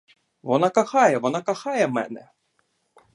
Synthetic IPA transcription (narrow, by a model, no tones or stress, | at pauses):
ʋɔnakaxɑjɛʋɔnakaxɑjɛmɛ̰nɛ